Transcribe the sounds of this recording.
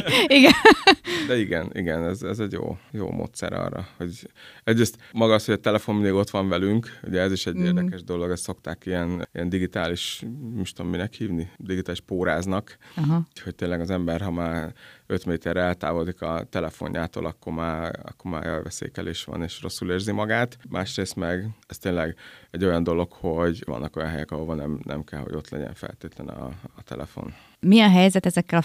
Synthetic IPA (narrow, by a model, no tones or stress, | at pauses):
iɡɛ | d̪ɛiɡɛnḭɡɛnɛzɛzɛɟjo̰ːjo̰ːmʔo̰ːt̪sɛ̰ɾɒ̰ːrːɒ̰ho̞ɟɛɟreːst̪mɒɡɒːsho̞ɟɛt̪ɛlɛfo̞mmineːɡo̞t̪ʋɒɱvɛlyŋkṵɟɛɛziʃɛɟeːrd̪ɛkɛʒd̪o̞lo̞ɡɛsso̞kt̪aːkijɛnijɛnd̪iɡit̪aːliʃmiʃt̪omminɛkhiːvnid̪iɡit̪aːliʃpoːɾaːznɒkɦho̞c̚t̪eːlːɛɡɒzɛmbɛrɦɒmaːrøt̪meːt̪ɛrɾɛlt̪a̰ːvo̞ld̪ikɒt̪ɛlɛfo̞̰ɲjaːt̪o̰ːlʔɒkːo̞ɾmaːɒ̰kːorma̰ːjɛjvɛsḛːkɛleːʃʋɒ̰neːʃro̞sːuleːrzimɒɡaːt̪mʔaːʃreːst̪mɛɡɛst̪eːnlɛɡɛɟːo̞jɒnd̪o̞lo̞kho̞ɟvɒ̰nːʔɒko̞jɒnɦɛjɛkɒɦovɒlnɛmnʔɛ̰mkɛlho̞̰ɟo̞̰t̪lɛ̰ɟɛ̰ɱfɛ̰lt̪eːt̪lɛnɛ̰ːt̪ɛ̰lɛ̰fo̞̰n | miɛɦɛjzɛt̪ɛzɛkːɛl